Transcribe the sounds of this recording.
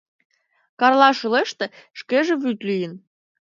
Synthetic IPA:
kɑrlɑʃuleʃt̪ĕʃkeʒĕβyt̪lyjə̆n

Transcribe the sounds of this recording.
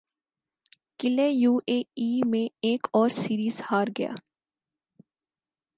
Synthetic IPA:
kɪlejuːʔeːiːmẽeːkɔːɾsiːɾiːzhaːɾɡɐja̰ː

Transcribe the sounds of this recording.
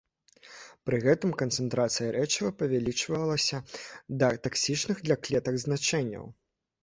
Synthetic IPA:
pɾɨɣɛt̪ɨmkɐnt̪sɛnt̪ɾat̪sɨjɐɾʔɛt͡ʂɐvɐpɐvʲalʲit͡ʂvɐlˠɐsʲɐd̪ɐt̪aksʲit͡ʂnɨɣd̪lʲaklʲɛt̪ɐɡznat͡ʂɛnʲːɐ̰w

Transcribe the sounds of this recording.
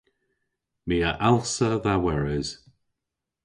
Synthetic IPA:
miːəʔalˠsəðawɛɹɪz̥

